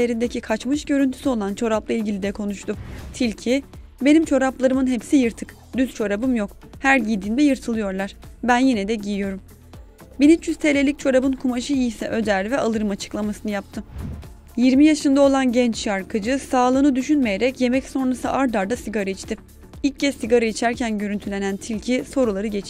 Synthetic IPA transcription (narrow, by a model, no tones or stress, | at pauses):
eɾind̪ecikʰat͡ʃmɯʃɟø̞ɾynt̪ʰy̥syo̞lˠant͡ʃʰo̞ɾaplˠailʲɟʲilʲid̪ɛkʰo̞nuʃt̪ʊt̪ʰilʲcʰibe̞nimt͡ʃʰo̞ɾaplˠaɾɯmɯnɦepsijɯɾt̪ʰɯ̥k | d̪yz̥t͡ʃʰo̞ɾabɯmjo̞k | hæɾɟiːd̪iːnd̪ɛjɯɾt̪ʰɯlˠɯjo̞ɾlˠaɾ̥bænjinɛd̪ɛɟijijo̞ɾum | binit͡ʃʰyzst̪ʰeːlʲe̞lʲic̚t͡ʃʰo̞ɾabɯnkʰumaʃɯjisɛʔø̞d̪æɾvɛʔalˠɯɾɯmat͡ʃʰɯ̥klˠamasɯnɯjap̚t̪ʰɯ | jiɾmijaʃɯnd̪ao̞lˠanɟɛnt͡ʃʃaɾkʰɯd͡ʒɯsaːlˠɯːnɯd̪yʃynmejeɾɛcje̞mɛcso̞nɾasɯʔaɾd̪aɾd̪asiɡaɾait͡ʃt̪ʰɪ | ilʲc̚ʰːɛssiɡaɾait͡ʃʰæɾcʰænɟø̞ɾynt̪ʰylʲe̞nænt̪ʰilʲcʰiso̞ɾulˠaɾɯɟet͡ʃʰ